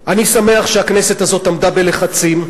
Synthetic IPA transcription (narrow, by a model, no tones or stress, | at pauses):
ʔanisame̞aχʃeakne̞se̞tazo̞t̪amd̪abe̞leχat͡sim